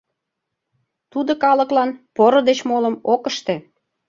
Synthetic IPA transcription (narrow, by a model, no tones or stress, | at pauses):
t̪ud̪okɑləklɑnpoɾod̪et͡ɕmoləmokəʃt̪e